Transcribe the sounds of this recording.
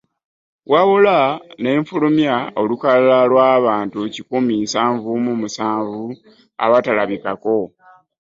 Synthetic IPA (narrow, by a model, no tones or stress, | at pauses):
waβulane̞ːɱfulumjao̞lukalalalwaːβaːntucikuminsaːɱvumumusaːɱvu | a̰βatalaβikako̞